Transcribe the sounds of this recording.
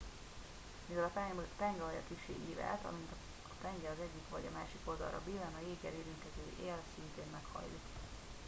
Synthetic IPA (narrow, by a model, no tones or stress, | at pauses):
mivɛlɒt̪ɛŋɡɛvɒɟɒkiʃːḛːʔiːɾa̰ːt̪ɒ̰mint̪ɒ | t̪ɛŋɡɛɒzɛɟːikʋɒɟɒmaːʃiko̞ld̪ɒ̰lɾɒ̰biːlɛnɒjeːɡɛ̰ɾeːɾiŋkɛzøːʔeːlsint̪eːnmɛkhɒ̰jːuk